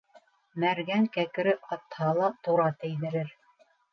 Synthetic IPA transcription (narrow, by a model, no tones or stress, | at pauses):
mæɾɡæŋkækɘ̆ɾɘʔɑt̪hɑlˠɑt̪uɾɑt̪ɘ̆jðɘ̆ɾɘɾ